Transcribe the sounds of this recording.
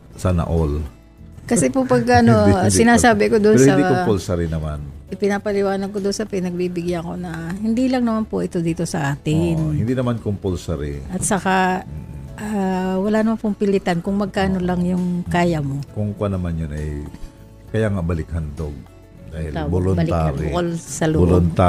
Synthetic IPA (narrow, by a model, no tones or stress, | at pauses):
sɐnɐ̰ʔol | kɐsɛpopɐɡ̚kɐʔɐnosɪnaːsaːbɪkod̪ʊnosɐikpolsɐɾɪnɐmanʔɪpɪnaːpɐlɪwaːnɐɡ̚kod̪ʊnsɐpɪnɐɡ̚bibɪɡjako̞nɐhɪnd̪iːlɐŋnɐmanpoʔɛt̪o̞d̪iːt̪o̞sɐʔaːt̪ɪnohɪ̃nd̪inɐmankʊmpolsɐɾḭʔɐt̪̚sɐka | ʔawɐlanɐmanpʊŋpɪlɪt̪ankʊŋmɐɡ̚kaːno̞lɐŋjʊŋkaːjɐmokoŋkwanɐmanjonɐ̰j | kɐjaŋabɐlɪkhɐnd̪o̰ɡ̚ | d̪aːhɪ̰lbolʊnblaɾbkolsɐloboʊnt̪a